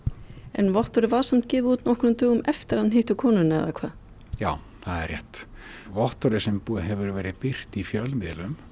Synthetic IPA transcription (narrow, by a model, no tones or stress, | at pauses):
ɛ̰nvɔht̪ɔɾɪvaːɾ̥sam̥t̪cɪːvɪuːt̪nɔhkɾʏmt̪ʏːɣʏmɛft̪ɪɾhaðanɦeht̪ʏkʰɔːnʏnɛ̰ðakʰvaːð | jaːw | θaðɛ̰rjɛht̪ | vɔht̪ɔɾɪsɛmpuːɦɛvʏɾvɛːɾɪpɪr̥t̪ifjœlmɪðlʏm